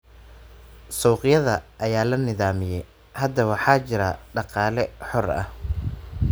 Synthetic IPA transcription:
sɔːqɪjɐðɐʔɐjaːlɐnɪðaːmɪjɛj | hɐd̪ɐwɑħɑːt͡ʃɪɾɐɖɑqɑːlɛħɔrɐ̰h

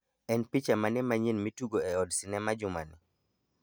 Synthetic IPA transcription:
ɛnpit͡ʃamanɛmaɲinmituɡoɛɔdsɪnɛmad͡ʒʊmani

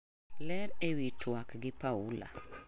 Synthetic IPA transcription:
lɛɾewitʰwakɡɪpaula̰

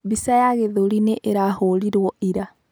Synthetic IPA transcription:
βisajaɣeðoɾineʔeɾahoɾiɾwɔiɾa

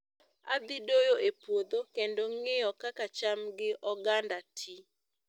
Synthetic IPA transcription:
a̰d̪ɪdojoepwod̪okendoŋɪjɔkakat͡ʃamɡɪʔɔɡandatʰi

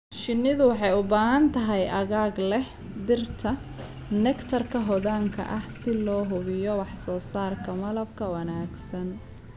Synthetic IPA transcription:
ʃɪnːɪðʊwɑħɑjʊbaːɦɐnt̪ʰɐɦɛjʔɐɣaːɡlɛh | d̪ɪrt̪ʰɐ | nɛkt̪ʰɐrkʰɐɦɔðaːŋkʰɐ̰ʔɐhsɪlɔːɦʊβɪjɔwɑħsɔːsaːrkʰɐmɐlɐb̚kʰɐwɐnaːɡsɐn

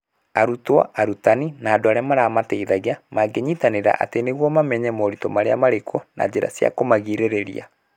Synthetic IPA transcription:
aɾutwa̰ʔaɾutaninaːdoaɾeamaɾamatɛiðaɣeamaɡeɲitaneɾa̰ʔa̰teneɣwɔmamɛɲɛmoɾitɔmaɾea̰maɾekʰɔna̰d͡ʑeɾa̰sja̰komaɣiɾeɾeɾḭa̰

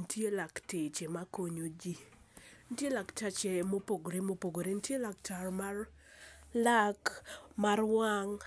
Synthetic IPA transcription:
ntjelaktɪt͡ʃemakoɲod͡ʒi | ntjelakt͡ʃat͡ʃemopoɡoɾemopoɡoɾentjelakt͡ʃarmar | lakmarwaŋ

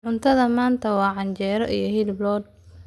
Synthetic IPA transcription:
ʕʊnt̪ʰɐðɐmaːnt̪ʰɐwɑːʕɑɲt͡ʃɛːɾɔʔḭjɞhiːlblɔːd̪̚

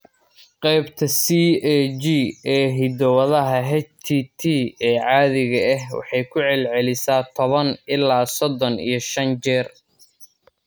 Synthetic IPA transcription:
qɛjbt̪ʰɐsiːɛd͡ʒiːɛːɦɪd̪ɔwɐðɐɦɐɦɛt͡ʃt̪ʰiːt̪ʰiːɛːʕɑːðɪɣɐɛɦwɑ̰ħɑjkʰʊʕɛlʕɛlɪsaːt̪ʰɔβɐnɪlːaːsɔd̪ɔnḭjɞʃɐnt͡ʃɛːr

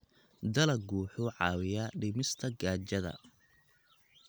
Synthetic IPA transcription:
d̪ɐlɐɡuːħʊʕɑːwɪjɐɖɪmɪst̪ʰɐɡaːt͡ʃɐðɐ̰

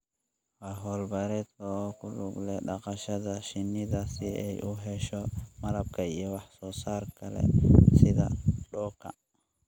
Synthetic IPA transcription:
waɦɔːlbɐɾɛt̪ʰɔkʰʊluɡlɛɗɑqɑʃɐðɐʃɪnːɪðasiɛjʔuɦɛʃɔmɐlɐb̚kʰɐiɛwɑħsɔːsaːrkʰɐlɛ̰sɪðɐ̰ɗɔːkʰːɐ̰

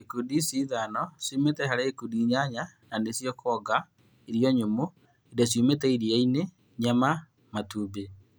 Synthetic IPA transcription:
ekudisiðanɔsumetɛɦaɾeːkudiɲaɲananesjɔkʰɔːɡa | eɾjɔɲomo | edɔs̬jumetɛiɾiaine | ɲama | matube

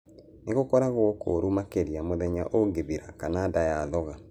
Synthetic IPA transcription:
neɣokɔɾaɣwɔkʰo̰ɾumakeɾiamoðɛɲa̰ʔoɡeðiɾakanadajaðɔɣa

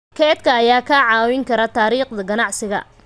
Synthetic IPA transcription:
kʰɛːd̪kʰɐːjaːkʰaːʕɑːwɪŋkʰɐɾɐt̪ʰaːɾiːqd̪ɐɡɐnɑʕsɪɣɐ̰

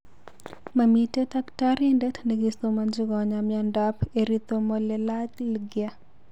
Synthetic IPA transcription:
mamitetaktaɾɛndɛtneɡist̪omand͡ʒɪɡɔɲamɪandapeɾit̪omɔlɛlad͡ʒlɡɪja

